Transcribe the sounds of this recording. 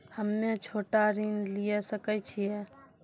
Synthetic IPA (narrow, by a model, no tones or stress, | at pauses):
həmːet͡ʃʰoːʈaɾinlijesəkɛt͡ʃʰijɛ